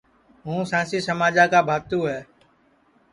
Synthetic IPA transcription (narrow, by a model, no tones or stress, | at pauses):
ɦũːsãːsiːsəmaːd͡ʒaːkaːbʱaːt̪ũːɦɛː